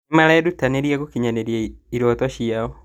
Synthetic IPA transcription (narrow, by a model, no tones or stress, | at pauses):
maɾɛdutaneɾjaɡokiɲaneɾjeiɾot̪ɔʃiaɔ